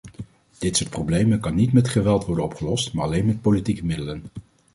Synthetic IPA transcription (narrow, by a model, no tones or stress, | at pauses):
d̥ɪtsʊːɹt̚prowblejmənkɑnːitmɛtχəʋɛlˠtʋɔɹdənɔpχəlɔstmaːɹɑlejnmɛt̚politikəmɪdələn